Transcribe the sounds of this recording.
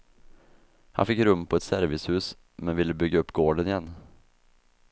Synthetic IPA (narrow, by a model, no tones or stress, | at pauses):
ha̰nfɪkːɾɵmːpʰɔɛt̪sæɾvɪshʉ̟ːs | mɛnvɪlːəbʏɡːaɵpːɡoːɖənɪjɛnː